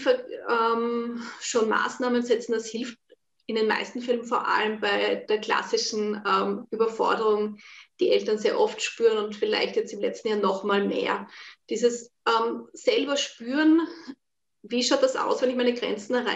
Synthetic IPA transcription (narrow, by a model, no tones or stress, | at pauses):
fɛɐɛmʃoːnma̰ːsnaːmənzɛt͡sn̩d̥ashɪlft | ɪndenma̰ɪstn̩fɪlmənfoːɐʔa̰ləmbaɪd̥eːɐkʰl̥a̰sɪʃn̩ɛmʔyːbɐfɔ̰ɐdəʁʊŋd̥iːʔɛltɐnzeːɐʔɔftʃpyːʁənʊntfɪla̰ɪçtjɛt͡stɪmlɛt͡stn̩jaːnɔχmaːlmḛːɐd̥iːzəsʔɛmsɛlbɐʃpyːʁən | viːʃaʊt̚d̥asʔa̰ʊsv̥ɛnɪçmaɛɪnəɡʁɛ̰nt͡sn̩ɛɐa